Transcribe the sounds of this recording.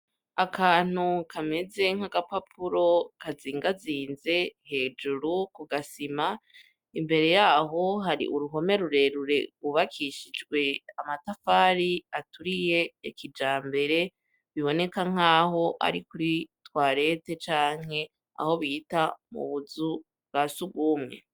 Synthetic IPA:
akʰaːn̥ukʰame̞ze̞ŋ̥aɡapapʰuɾo̞kaziːŋɡaziːnze̞he̞ːd͡ʒuɾukuɡasima | imbe̞ɾe̞jaːɦo̞ɦaɾḭʔuɾuɦo̞me̞ɾuɾe̞ɾuɾe̞uβakʰiʃid͡ʒɡwe̞amatafaɾiatuɾije̞ːkid͡ʒaːmbe̞ɾe̞ | βiβo̞ne̞kaŋ̥aːɦo̞ʔa̰ɾikuɾitwaːɾe̞te̞t͡ʃaːŋ̥e̞ | a̰ho̞βiːtamṵβuzu | ɡasuɡɡumŋe̞̰

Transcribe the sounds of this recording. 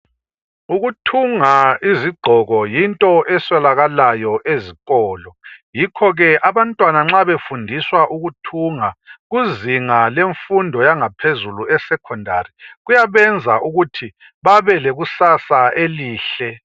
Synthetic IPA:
uɣutʰuŋaiziɡ͡ǃʱɔɣɔjintʼɔʔɛswɛlaɣalajɔʔeziɣʼɔːlɔjikʰɔɣɛʔaβantʼwanaŋ͡ǁaβefundʱiswaʔuɣutʰuŋaɣuziŋaleɱfundʱɔjaŋapʰezuluɛsɛkʰɔndʱa̰riɣujaβɛnd͡zʱaʔuɣutʰi | βaβɛlɛɣusasaʔeliːɬɛ

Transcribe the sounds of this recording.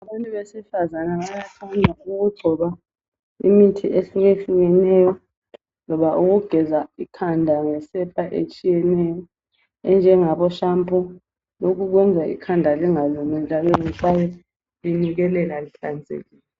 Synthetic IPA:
aɓantʼuβɛsifazanaɓajakʰandʱauɣ̬uɡ͡ǀʱɔɓa | ḭmitʰiʔesiɣeɬujɛnɛjɔ | lɔβaʔuɣ̬uɡ̥ʱɛzaikʰandʱaŋɛsɛpʰʼaʔḛt͡ʃʼijɛnɛjɔ | ɛnd͡ʒʱɛŋaɓɔʃampʼu | lok̬ukɔnd͡zʱaʔḭkʰandʱaliŋalɔmɛnd͡ʒʱalɔzisajɔ | linik̬ɛlɛlaliɬand͡zʱḛkilɛ

